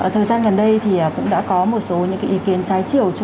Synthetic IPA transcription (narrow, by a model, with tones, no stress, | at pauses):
ʔəː˧˩t̪ʰəː˨˩jzaː˧nɣə˨˩nɗə˧jt̪ʰi˨˩ʔəː˨˩kʊ̰˧˥ŋ͡mɗa̰ː˧˥kɔ˨˦mo˨˩t̚so˨˦ɲɨ̰˧˥ŋkaː˨˦ʔi˨˦ki˨˦ənt͡ɕaː˨˦jt͡ɕi˧˩əwt͡ɕ